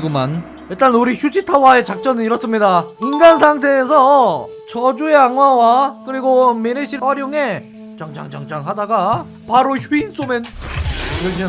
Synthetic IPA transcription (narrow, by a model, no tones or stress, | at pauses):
ɡoman | iɭt͈anuɾiçʰud͡ʑitʰawae̞t͡ɕak̚t͡ɕ͈ʌnɯniɾʌs͈ɯmɲidainɡansʰaŋtʰe̞ːsʰʌ | t͡ɕʌd͡ʑue̞aŋwawakɯɾiɡomeɾeɕʰiwaɾjoŋe̞ | t͡ɕaŋd͡ʑaŋd͡ʑaŋd͡ʑaŋɦadaɡa | paɾoçjuins͈omen | kʌɭɕ̬͈ʰi